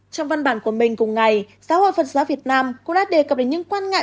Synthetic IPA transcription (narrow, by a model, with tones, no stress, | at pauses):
t͡ɕɔ˧wŋ͡mva˧nɓaː˧˩nku˧˩əmï˨˩ŋ̟kʊ˨˩ŋ͡mŋa˨˩jsaː˦ho̰˧˨jfə˨˩t̚zaː˨˦wvi˨˩ət̚naː˧mkʊ̰˧˥ŋ͡mɗaː˧˥ɗe˨˩kə˨˩p̚ɗə˨˦ɲɨ̰˧˥ŋkwaː˧nŋa̰ː˧˨